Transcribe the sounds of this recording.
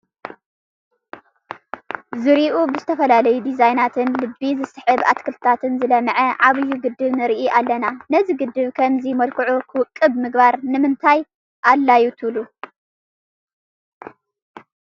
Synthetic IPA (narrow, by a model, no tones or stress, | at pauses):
zɨɾiʔubɨzɨt̪ʰɐfɐlalɐjud̪izajnat̪ʰɨnlɨbːizɨsħɨβʔat̪kʰɨlt̪ʰat̪ʰɨnzɨlɐmɐʕɐʕaβɨjːuɡɨd̪ːɨβnɨɾʔiʔalːɐnanɐziɡɨd̪ːɨβkʰɐmzimɐlkʰɨʕukʰɨwɨkʼːɨbmɨɡbaɾnɨmɨnt̪ʰaj | ʔalːajut̪ʰɨβlu